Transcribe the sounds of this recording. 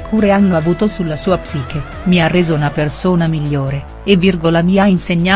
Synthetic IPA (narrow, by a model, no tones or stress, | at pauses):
kʰuːɾeanːoavuːt̪osulːasuːapsiːke | miarːeːzounapersoːnamiʎːoːɾe | evːirɡolamiːainseɲːa